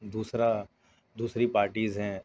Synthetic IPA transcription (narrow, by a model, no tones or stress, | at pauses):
d̪uːsɾa | d̪uːsɾipaːɾʈiːzɦɛ̃ː